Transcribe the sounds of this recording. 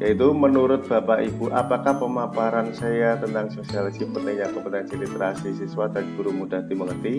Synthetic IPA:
jait̪umənuɾʊt̪̚b̥a̤paʔibuʔapakahpəmapaɾansajat̪ənt̪aŋsosialisipət̪aɲapəpənaansilit̪ɾasisiswad̪̥anɡ̥uɾumud̥a̤ɦt̪iməŋərt̪i

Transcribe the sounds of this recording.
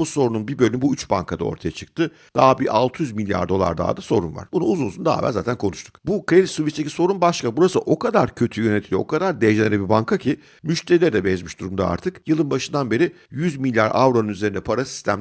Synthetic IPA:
buso̞ɾununbibølʲymbuyt͡ʃba̰ŋkʰad̪a̰o̞̰ɾt̪ʰajat͡ʃʰɯ̥k̚t̪ʰɯ | d̪̥aːbiʔalˠt̪ʰɯjyzmilʲja̰ɾd̪o̞lˠa̰ɾd̪a̰ːd̪aso̞ɾunva̰ɾ̥bunuuzunsund̪a̰ːvæ̰za̰ːt̪ʰænkʰo̞nuʃt̪ʰu̥kbukɾe̞d̪it̪suvit͡ʃt̪eci̥so̞ɾunbaʃkabuɾasɯʔo̞kʰad̪aɾcʰø̞t̪ʰyjø̞net̪ʰilʲjookʰad̪aɾd̪eʒeeɾɛbibaŋkʰacʰi | myʃt̪ʰeɾilʲɛɾd̪ɛbɛzmiʃd̪uɾumd̪a̰a̰ɾt̪ʰɯkjɯlˠɯnbaʃɯnd̪anbe̞ɾi | jyzmilʲjaɾʔa̰vɾonunyze̞ɾind̪ɛpʰaɾasi̥st̪ʰæm

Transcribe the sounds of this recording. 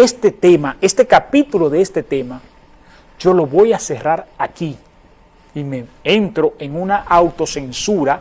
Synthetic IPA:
est̪e̞t̪e̞mae̞st̪e̞kapit̪ulo̞ðe̞est̪e̞t̪e̞ma | d͡ʒo̞lo̞βo̞jase̞raɾaki | ime̞e̞nt̪ɾo̞ʔe̞ŋunaʔawt̪o̞se̞nsuɾa

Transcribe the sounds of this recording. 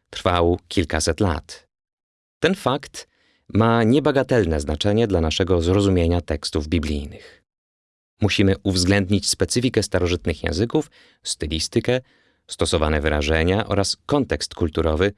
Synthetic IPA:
t̪ɾfawkʲʰilkasɛt̪la̰t̪ | t̪ːɛnfakt̪ | maɲɛbaɡat̪ɛlnɛznat͡ʂɛɲɛd̪lanaʂɛɡɔzɾɔzumʲjeɲat̪ɛkst̪uvbʲiblʲijnɘx | muɕimɘʔuvzɡlɛnd̪ɲit͡ɕspɛt̪sɘfʲikɛst̪aɾɔʐɘt̪nɘxjɛ̰̃zɘkuf | st̪ɘlʲist̪ɘkɛ | st̪ɔsɔvanɛvɘɾa̰ʐɛɲaʔɔ̰ɾaskɔnt̪ɛkst̪kult̪uɾɔvɘ

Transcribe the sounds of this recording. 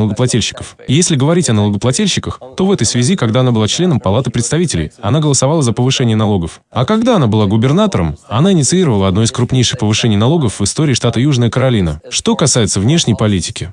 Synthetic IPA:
lˠəɡəplˠɐtʲilʲɕːɪ̥kəf | ɪjesʲlʲɪɡəvɐɾʲitʲɐnəlˠəɡəplˠɐtʲilʲɕːɪkəxt̪o̞vɛt̪əjsvʲɪzʲikaɡd̪aɐnabɨlˠat͡ɕlʲe̞nəmpɐlˠat̪ɨɪpɾʲɪt̪st̪ɐvʲitʲɪlʲɪjɐ̰naɡəlˠəsɐvalˠəzəpəvɨʂɛnʲɪjənɐlˠo̞ɡəf | ɐkɐɡd̪aɐnabɨlˠaɡʊbʲɪrnat̪əɾəmɐnaɪnʲɪt̪sɨiɾəvəlˠəɐd̪no̞jɪskɾʊpnʲejʂɨxpəvɨʂɛnʲɪjnɐlˠo̞ɡəfvɨst̪o̞ɾʲɪːʂt̪at̪əjuʐnəjəkəɾɐlʲinə̰ʂt̪o̞kɐsajɪt̪səvnʲe̞ʂnʲɪjpɐlʲitʲɪ̥kʲɪ

